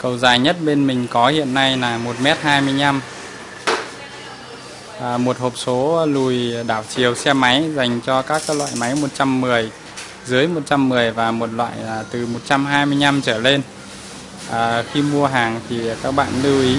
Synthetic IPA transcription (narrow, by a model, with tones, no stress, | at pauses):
kə˧wzaː˨˩jɲə˦˥t̚ɓe˧nmï˨˩ŋ̟kɔ˨˦hḭ˧˨ənːa˧jlaː˨˩mo˨˩t̚mɛ˦˥t̚haː˧jmɨ˧əjɲa˧m | ʔːmo˨˩t̚ho˨˩p̚so˨˦lu˨˩jɗaː˧˩wt͡ɕi˨˩əwsɛ˧ma˨˦jza˨˩jŋ̟t͡ɕɔ˧kaː˦˥k̚ːlwa̰ː˧˨jma˨˦jmo˨˩t̚t͡ɕa˧mːɨ˨˩əj | zɨ˨˦əjmo˨˩t̚t͡ɕa˧mːɨ˨˩əjvaː˨˩mo˨˩t̚lwa̰ː˧˨jaː˨˩t̪ɨ˨˩mo˨˩t̚t͡ɕa˧mɦaː˧jmɨ˧əjɲa˧mt͡ɕəː˧˩le˧n | ʔəː˨˩xi˧mu˧əɦaː˨˩ŋt̪ʰi˨˩kaː˦˥k̚ɓa̰ː˧˨nlɨ˧wʔi˨˦